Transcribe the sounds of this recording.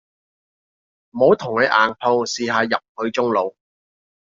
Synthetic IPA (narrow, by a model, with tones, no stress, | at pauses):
m̩˨˩ho˨˥wt̪ʰʊ˨˩ŋlɐ˨˥ʔaː˨˩npʰo˧wsiː˨˧ɦaː˨˧jɐ˨p̚hɵ˨˧ɥt͡ʃʊ˥ŋlo˨˧w